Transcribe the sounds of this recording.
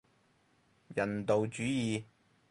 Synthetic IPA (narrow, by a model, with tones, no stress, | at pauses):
jɐ˨˩nt̪o˨wt͡ʃyː˨˥jiː˨